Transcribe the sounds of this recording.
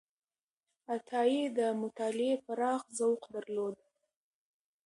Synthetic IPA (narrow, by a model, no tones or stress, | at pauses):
at̪ʰɑid̪əmʊt̪ɑlɪepaɾɑxzawqd̪aɾlod̪